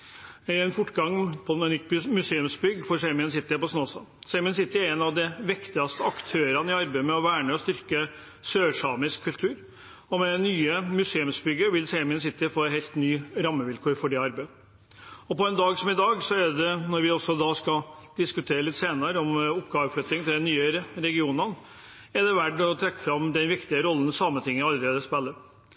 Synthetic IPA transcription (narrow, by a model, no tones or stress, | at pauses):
ɛnfʊʈːɡɑŋːpʰɔmɛnʏt̪ːmʉseːʉmsbʏɡfɔʂeːmɪənsɪt̪ːəəpɔsnoːsɑ̰ | seːmɪənsɪt̪ːəæɾɛnɑʋd̪ɛʋɪkt̪ɪɡɑst̪əɑkt̪ʰøːɾɑnəɪɑɾbæɪmɛɔʋæːɳəɔst̪ʏɾkə | søːʂɑːmɪskʰːʉlt̪ʰʉːɾ | ɔmɛnːyːəmʉseːʉmsbʏɡːəʋɪlseːmɪənsɪt̪ːəfoːɛɦɛlt̪nyːɾɑmːəʋɪlkʰuːɾfɔɖɛɑɾbæɪ | ɔpɔɛnd̪ɑːɡsɔmɪd̪ɑːɡsɔæɖ̪ɛnɔɾʋɪɔsːɔd̪ɑːskɑd̪̥ɪskʉt̪ʰeːɾəlɪt̪ːseːnɑɾəɔmɔpːɡɑːʋəflœt̪ːɪŋt̪ɪld̪ɛnyːəɾɛɡɪuːnən | ɛɖɛʋæɖɔt̪ʰɾɛkːəfɾɑmd̪ɛnʋɪkt̪ɪəɾɔlːən̩sɑmːət̪ʰɪŋːəɑlːəɾeːd̪əspɛlːə